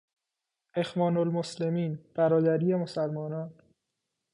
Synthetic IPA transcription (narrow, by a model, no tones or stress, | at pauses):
e̞xvɒːnolmoslemiːnb̥æɾɒːd̪æɾiːje̞mosælmɒːnɒːn